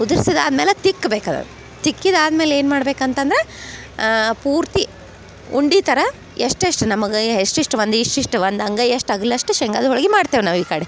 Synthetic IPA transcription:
ud̪uɾisid̪a̰ːd̪meːlet̪ikːbeːkad̪ɐ̰ | t̪ikːid̪aːd̪meːleːnmaːɽbeːkɐnt̪ɐnd̪ɐɾe | puːɾt̪i | uɳɖiːt̪ɐɾɐ | eʂʈeʂʈɨnɐmɐɡeɦeʂʈiʂʈʋɐnd̪iʂʈiʂʈʋɐnd̪ɐŋɡɐjeʂʈɐɡɐlɐʂʈuʃeŋɡɐːd̪ɔɭɡemaːɽt̪eːʋnaːʋiːkaːɽi

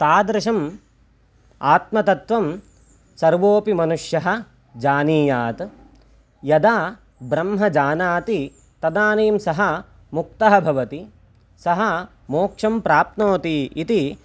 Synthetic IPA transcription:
t̪aːd̪ɾɐʃɐm | aːt̪̚mɐt̪ɐt̪ʋɐm | sɐɾʋoːpimɐnuʂjɐɦɐ̆ | d͡ʒaːniːjaːt̪ | jɐd̪aː | bɾɐmɦɐd͡ʒaːnaːt̪i | t̪ɐd̪aːneːmsɐɦɐ | muk̚t̪ɐɦɐbʱɐʋɐt̪i | sɐɦɐ | moːkʂɐmpɾaːp̚t̪noːt̪iit̪i

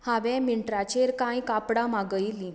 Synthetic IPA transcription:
haʋɛmiɳʈɾat͡ɕeɾkãj̃kapɽamaɡəjli

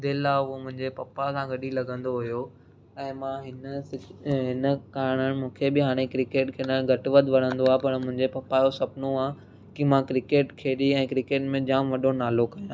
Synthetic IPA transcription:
d̪eaʊɦomʊ̃ɦɪ̃ɲd͡ʑepɐpasãɡɐɗilɐɡʱə̃nd̪oɦʊjo | ɛ̃ːmãɦɪnəɪɦɪnəkaːɾɽ̃ənɪ̆mũːkʰebɪɦaːɽ̃ekɾɪkeːʈkʰeːnənɡʱɐʈʋəd̪ʋɐɾ̤ə̃nd̪oaːepɐɾmʊ̃ɦɪ̃ɲd͡ʑepɐpaːjosɐpnoaː | kɪmãkɾɪkeːʈkʰeːɗiɛ̃ːkɾɪkeːʈmẽd͡ʑaːmʋɐɗonaːlokɐjãː

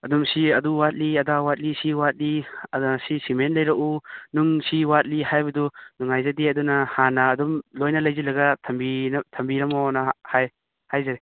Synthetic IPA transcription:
ɐdumsiɐduwat̚liɐdawat̚lisiwat̚lisisimentlɐjɾɐʔunuŋsiwat̚lihajbɐdunuŋajzadiɐdunahanaːdumlojnɐlɐjzilɐɡatʰɐmbintʰɐmbiɾɐmɔnahaj | hajzade

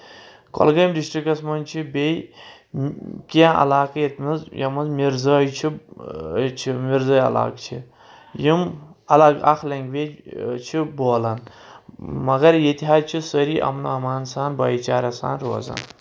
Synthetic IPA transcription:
ko̰lɡɐjmɾiʃʈikɐsmɐnt͡ʃʰibej | kijãːʔɐ̰laːkɐjet̪ʰmɐzjɐmɐzmiɾzɐːjt͡ʃʰi | t͡ʃʰimiɾzɐjɐ̰la̰ːkt͡ʃʰi | jimɐlaːɡaxlɐŋɡʋet͡ʃʰiboːlɐn | mɐɣɐɾjet̪iɦaːd̪̚t͡ʃʰisəɾiːʔɐ̰mnuɐmaːnsaːnbɐːjt͡ʃaːɾɐsa̰ːnɾuɐzɐ̰n

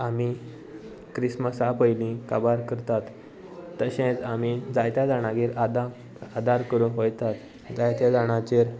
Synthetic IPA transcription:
ami | kɾisməsapəjlĩkabaɾkəɾt̪at̪ː | əɕẽt͡samid͡zajt̪jad͡zaɽ̃aɡeɾad̪a | ad̪aɾkəɾũɦojt̪at̪ | d͡zajt̪jad͡zaɽ̃ãt͡ɕeɾ

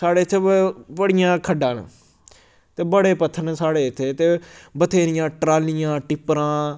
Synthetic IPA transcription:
saːɽeːt̪ʰːebəɽɪjãːkʰəɖãːn̰ | t̪eːbəɽeːpət̪ʰːənsaːɽeːɪt̪ʰːeːt̪eːbət̪ʰeːɾɪjãːʈɾaːlɪjãːʈɪpːɾãː

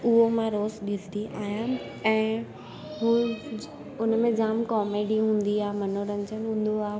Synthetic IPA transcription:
ʊɦomãɾoːzɗilt̪iʔaːɦja | ɛ̃ː | ɦuː | ʊnmẽd͡ʑaːmkɔːmeːɖiɦũːn̆d̪iaːɦmɐnoɾɐ̃ɲd͡ʑənɦũːn̆d̪oaː

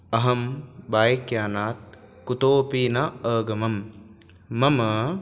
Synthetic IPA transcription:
ɐɦɐmbaːjkjaːnaːt̪̚ | kut̪oːpiːnaəːɡɐmɐmː | ɐmɐ

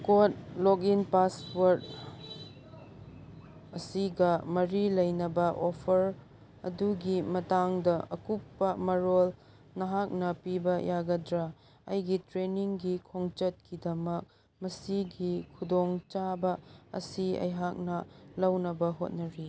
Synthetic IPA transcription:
kot̚lok̬inpaswɐɾd̚ | ɐsiɡɐmɐɾilɐjnɐbɐʔopʰɐɾ | ɐ̰duɡimɐtaŋdɐʔɐkupːɐmɐɾol | nɐɦak̚nɐpibɐjʔaɡɐdɾa | ɐ̰jɡitɾeniŋɡikʰoŋt͡ʃɐt̚kidɐmɐk̚ | mɐsiɡikʰudoŋt͡ʃabɐɐ̰siɐ̰jɦak̚nɐlɐwnɐbɐɦot̚nɐɾi

